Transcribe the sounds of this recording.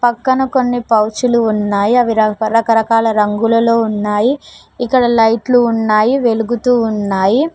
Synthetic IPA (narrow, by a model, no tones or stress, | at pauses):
pɐkːɐnɐko̞nːipɐwt͡ʃuluːnːaːjiɐʋiɾɐɾɐkɐɾɐkaːlɐɾɐŋɡulɐlo̞ːunːaːji | ikːɐɽɐlɐjʈluːnːaːjiʋe̞luɡut̪uːnːaːji